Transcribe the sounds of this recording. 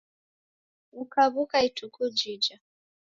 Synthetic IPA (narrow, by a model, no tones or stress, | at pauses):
ukaβukaitʰukud͡ʒid͡ʒa